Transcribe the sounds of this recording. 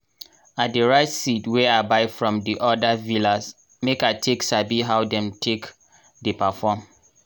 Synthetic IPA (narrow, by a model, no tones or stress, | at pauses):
at̚deɹaɪtsitwɛabaɪfɹɔ̃mdiʔɔdavilas | mekatʰeksabiɦawdɛ̃mtʰek | depafɔm